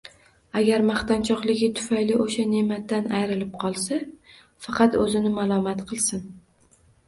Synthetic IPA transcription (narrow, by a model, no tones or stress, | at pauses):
aɡʲaɾmaχt̪ant͡ʃʰɒqlˠɪɡʲɪt̪ʰʊ̥fajlɪʔoʃane̞mat̪ːanajɾɪlɪp̚qʰɒlˠsa | fɑqʰɑt̪ɵzɪnɪmalˠɒmat̪qʰɨlˠsɪn